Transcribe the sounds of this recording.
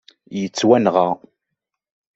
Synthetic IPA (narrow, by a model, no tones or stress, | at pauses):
jət͡sːwænʁa